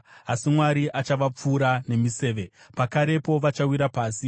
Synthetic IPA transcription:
asimwaɾiʔat͡ʃaʋap͡fuːɾane̞mise̞ːʋe̞pakaɾe̞po̞ʋat͡ʃawiɾapaːsi

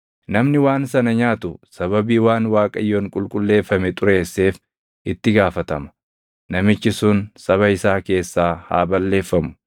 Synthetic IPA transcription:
nɐmnɪwaːnsɐnɐɲaːt̪ʊsɐβɐbiːwaːnwaːkʼɐjːoːŋkʼʊlkʼʊlːe̞ːfːɐmɛt̪ʼʊɾe̞ːsːe̞ːf | ʔɪt̪ːɪɡaːfɐt̪ɐmɐ̥ | nɐmɪt͡ʃːɪsʊnsɐβɐɪsaːke̞ːsːaːha̰ːbɐlːe̞ːfːɐmʊ̥

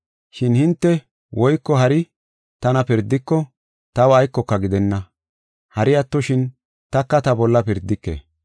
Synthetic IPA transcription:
ʃɪnhɪnt̪ːɛ | wʔɔjkːɔɦɐɾɪ | t̪ɐnɐpɪɾd̪ːɪkːɔ | t̪ɐwɐjkːɔkːɐɡɪd̪ɛnːɐ | hɐɾɪjɐt̪ːɔʃɪn | t̪ɐkːɐt̪ɐbɔlːɐpɪɾd̪ːɪkːḛː

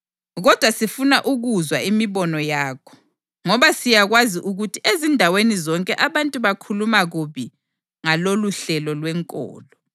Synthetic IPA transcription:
ɣɔd̥ʱwasifunaʔuɣuzwaimiβɔnɔjaːkʰɔ̥ | ŋɔβasijaɣwaziʔuɣutʰiʔezindʱawenizɔŋkʼɛʔaβantʼuβakʰulumaɣuβi | ŋaloluɬɛlɔlwɛŋkʼɔ̰ːlɔ

